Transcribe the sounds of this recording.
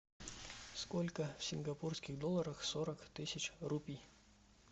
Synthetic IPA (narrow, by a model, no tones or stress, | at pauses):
skolʲkəfsʲɪnɡɐpurskʲɪxd̪olˠəɾəxsoɾəkt̪ɨsʲɪt͡ɕrupʲij